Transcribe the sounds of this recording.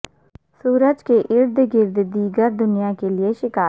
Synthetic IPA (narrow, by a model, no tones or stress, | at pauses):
suːɾəd͡ʒkeːʔɪɾd̪ɡɪɾd̪d̪iːɡəɾd̪ʊnɪjãːkeːlɪeːʃɪkaː